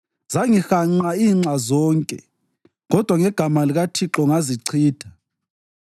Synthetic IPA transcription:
z̥aŋixaŋ͡ǀaiːŋ͡ǀazɔːŋkʼɛ̰ | ɣɔd̥ʱwaŋɛɡ̥ʱamaliɣatʰiǁɔŋaziǀʰiːtʰa

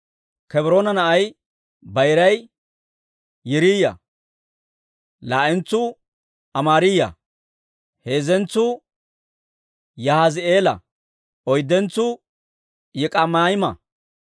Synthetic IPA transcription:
kɛbɪɾoːnɐnɐʔɐj | bɐjɾɐj | jɪɾiːjɐ̰ | laːʔɛnt͡sːʊ | ɐmaːɾɪjɐ̰ | heːzɛnt͡sːʊ | jɐhazɪe̞ːlɐ̰ | ɔjd̪ːɛnt͡sːʊ | jɪkʼɐmaːjɪmɐ

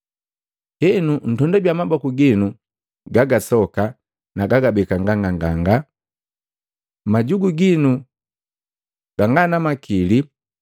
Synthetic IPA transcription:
hɛnun̩tɔndaɟwamabɔkuɡinu | ɡaɡasɔka | naɡaɡabɛkaŋɡaŋɡaŋɡaŋɡa | maɟuɡuɡinu | ɡ̥aŋɡanamakili

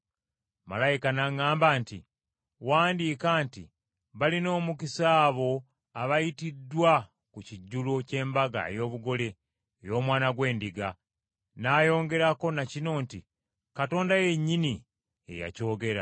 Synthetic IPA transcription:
ma̰lajikanaŋaːmbantḭ | waːndiːkaːntḭ | βalino̞ːmukisaːβo̞ | aβajitidːwa | kuciɟːulo̞ce̞ːmbaɡa̰ḛjo̞ːβuɡo̞le̞ | jo̞ːmwaːnaɡwe̞ːndiɡa | naːjo̞ːŋɡe̞ɾako̞nacino̞ːnti | kato̞ːndaje̞ɲːini | e̞̰ja̰co̞ːɡe̞ɾa̰

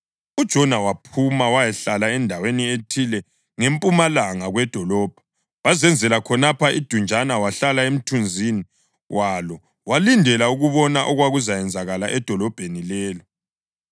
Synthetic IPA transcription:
ud̥ʒ̥ʱɔnawapʰumawajɛɬalaɛndʱawenietʰilɛ | ŋempʼumalaŋaɣwɛd̥ʱɔlɔːb̥ʱḁ | wazɛnd͡zʱɛlakʰɔnapʰaʔid̥ʱund͡ʒʱanawaɬalaem̩tʰund͡zʱini | wʔalɔ | walindʱɛlauɣuβɔnaʔɔɣwaɣuzajɛnd͡zʱaɣalaʔɛd̥ʱɔlɔb̥ʱenilɛːlɔ

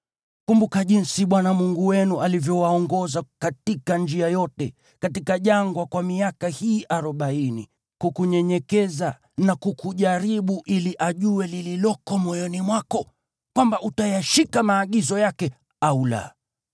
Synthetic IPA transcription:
kumbukaʄinsiɓwanamuŋɡuwɛnualivjɔwaɔŋɡɔzakatikand͡ʒiajɔtɛ | katikaʄaŋɡwakwamiakahiːʔaɾɔɓainḭ | kukuɲɛɲɛkɛza | nakukuʄaɾiɓuʔiliʔaʄuwɛlililɔkɔmɔjɔnimwakɔ | kwambaʔutajaʃikamaːɠizɔjakɛ | aula̰

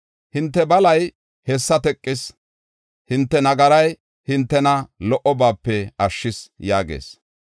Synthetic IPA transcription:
hɪnt̪ːɛbɐlɐj | hɛsːɐt̪ɛkʼːɪs | hɪnt̪ːɛnɐɡɐɾɐj | hɪnt̪ːɛnɐlɔʔɔbaːpːɛɐʃːɪsjaːɡḛːs

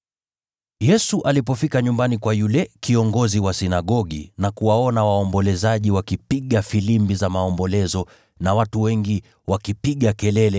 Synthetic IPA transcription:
jɛsuʔalipɔfikaɲumbanikwajulɛkiɔŋɡɔziwasinaɠɔɠḭnakuwaɔnawaɔmbɔlɛzaʄiwakipiɠafilimbizamaɔmbɔlɛzɔ | nawatuwɛŋɡi | wakipiɠakɛlɛlɛ

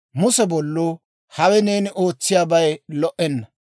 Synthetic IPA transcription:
mʊsɛbɔlːoː | hɐwɛne̞ːnɪʔoːt͡sːɪjaːbɐjlɔʔːɛnːɐ

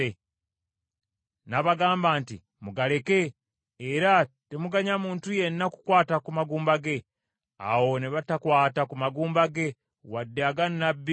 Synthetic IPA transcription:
e | naβaɡaːmbaːntḭ | muɡale̞ke̞ː | ɾate̞muɡaɲamuːntuje̞nːaku̥kwaːtakumaɡuːmbaɡe̞ | a̰wo̞neβatakwaːtakumaɡuːmbaɡe̞ | wadːeaɡanːabːi

